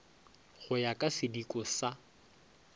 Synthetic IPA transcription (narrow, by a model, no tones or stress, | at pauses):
ɣʊjakʼasɪdikʼɔsa